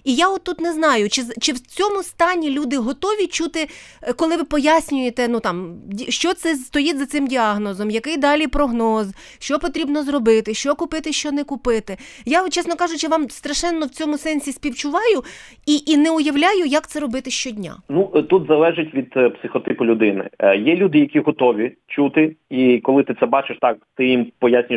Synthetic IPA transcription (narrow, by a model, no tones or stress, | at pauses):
ijaɔt̪ːut̪nɛznɑjʊt͡ʃɪt͡ʃɪwt͡sʲɔmʊst̪ɑnʲilʲud̪ɪɦɔt̪ɔʋʲit͡ʃut̪ɪkɔlˠɪʋɪpɔjasʲnʲʊjet̪ɛnut̪ɑmʲiʃt͡ʃɔt̪sɛst̪ɔjitʲzɐt̪sɪmdʲiɑɦnɔzɔmjɐkɪjd̪ɑlʲipɾɔɦnɔz | ʃt͡ʃɔpɔt̪ɾʲibnɔzɾɔbɪt̪ɪʃt͡ʃɔkʊpɪt̪ɪʃt͡ʃɔnɛkʊpɪt̪ɪjat͡ʃɛsnɔkɑʒʊt͡ʃɪʋɑmst̪ɾɐʃɛnːɔwt͡sʲɔmʊsɛnʲsʲisʲpʲiwt͡ʃʊʋɑjʊ | iʔinɛʊjɐwlʲajʊjɐkt̪sɛɾɔbɪt̪ɪʃt͡ʃɔdʲnʲa̰nut̪ut̪zɐlˠɛʒɪtʲʋʲid̪psɪxɔt̪ɪpʊlʲʊd̪ɪnɪ̰jɛlʲud̪ɪjɐkʲiɦɔt̪ɔʋʲit͡ʃut̪ɪikɔlˠɪt̪ɪt̪sɛbɑt͡ʃɪʃt̪ɑkt̪ɪjimpɔjasʲnʲʊj